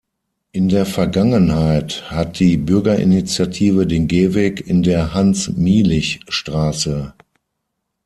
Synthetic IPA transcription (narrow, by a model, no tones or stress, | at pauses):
ʔɪndeːɐfɛɐɡaŋənhaɪthat̚d̥iːbʏɐɡɐʔɪ̰nit͡sjatʰiːvədeːnɡeːvɛːkɪndeːɐhansmiːlɪçʃtʁ̥aːsə